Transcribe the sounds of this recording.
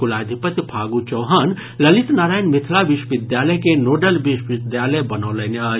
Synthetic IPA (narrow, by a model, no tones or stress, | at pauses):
ulaːd̪ʱipət̪jpʰaːɡut͡ʃəːɦən | lɐlit̪naːɾaːjnmit̪ʰlabiʃwəʋid̪jaːləjkenoɖəlbiʃʋid̪jaləjbənəːləneə